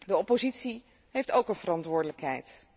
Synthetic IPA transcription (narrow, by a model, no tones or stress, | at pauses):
dəɔpozitsi | ɦejftowkənvərɑntʋʊːɹdələkɦɛ̰jt